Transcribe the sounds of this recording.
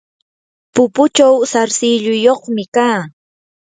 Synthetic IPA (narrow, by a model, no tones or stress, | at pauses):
pʊpʊt͡ʃawsaɾsɪʎʊjoχmɪkaː